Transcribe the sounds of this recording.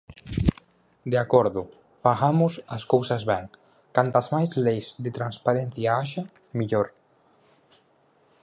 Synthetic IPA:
d̪eakoɾðu | faɣamʊsaskowsazβɛŋ | kant̪azmajzlejzd̪et̪ɾanspaɾen̟θjaaʃa | miʎoɾ

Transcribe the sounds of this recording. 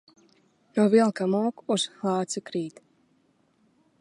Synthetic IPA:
nuvilˠkamuɔkuz̥xlˠɑːt̪sɨkɾiːt̪

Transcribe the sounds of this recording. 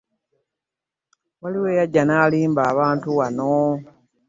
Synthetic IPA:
waliwe̞ːjaɟːanaːliːmbaːβaːntuwano

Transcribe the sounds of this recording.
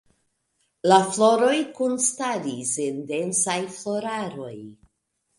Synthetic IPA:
laflo̞ɾo̞jkunstaɾisendensajflo̞ɾaɾo̞̰j

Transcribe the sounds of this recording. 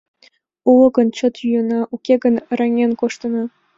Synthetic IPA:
ulɤ̆ɡɤ̆nt͡ɕɤ̆t̪jyjɤ̆nɑʔukʲeɡɤ̆nɤ̆ɾɑŋʲenkoʂt̪ɤ̆nɑ

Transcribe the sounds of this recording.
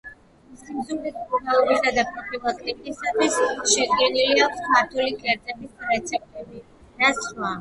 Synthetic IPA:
simzumd̪isɡɔbaɔbisad̪apʰʼɾɔbilˠakʼt̪ʼikʼisat̪ʰwisʃɛd̪ɡɛniliakʷʰsʰmaɾt̪ʰulikʰʼɛɾd̪zʼɛbisɾɛt̪sʰɛp̚t̪ʼɛbi | naswa

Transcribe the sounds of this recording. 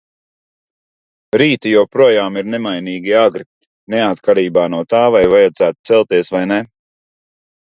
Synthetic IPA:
ɾiːt̪ijuwpɾuɔjaːmiɾnɛmajniːɡʲiaɡɾi | nɛat̪kaɾiːbaːnuɔt̪aːvajvajad̪zæːt̪u̥t̪sɛlˠt̪iɛsvajnɛ

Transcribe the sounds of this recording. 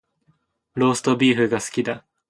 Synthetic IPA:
ɾo̞ːsɨ̥t̪o̞bʲiːɸɯ̟ɡasɨ̥kʲid̪a

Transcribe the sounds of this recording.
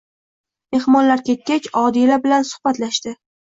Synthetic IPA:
me̞hmɒnlaɾkʲe̞t̪̚kʲat͡ʃʲɒd̪ilabɪlansʊ̥hbat̪laʃt̪ɪ

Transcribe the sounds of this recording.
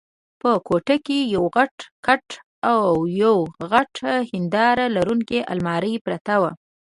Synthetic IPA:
pəkoʈakejawɣaʈkaʈ | awjawɣaʈhɪnd̪ɑɾalaɾuŋkeʔa̰lmɑɾəjpɾat̪awa

